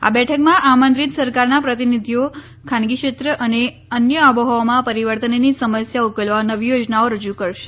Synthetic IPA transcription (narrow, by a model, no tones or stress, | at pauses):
a̰bɛʈʰəkmãʔamə̃nd̪ɾit̪səɾkaɾnapɾət̪inid̪ʱijo | kʰãnɡiʃet̪ɾəʔəne | ənjəəbəɦomãpəɾiʋəɾt̪ənnisəməsjaukelʋanəʋijod͡ʒnaoɾəd͡ʒukəɾʃe̥